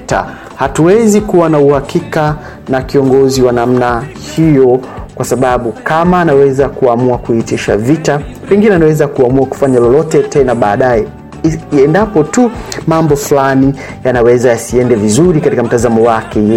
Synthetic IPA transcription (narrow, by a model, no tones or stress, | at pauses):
ta̰ | hatuwɛzikuwanauhakika | nakiɔŋɡɔziwanam̩nahijɔkwasaɓaɓukamaːnawɛzakuamuakuhitiʃa̰vita | pɛŋɡinɛanawɛzakuamuaku̥faɲalɔlɔtɛtɛnaɓaːɗajɛ | ɛndapɔtumambɔfulani | janawɛzajasiɛndɛvizuɾikatikam̩tazamɔwakɛɛ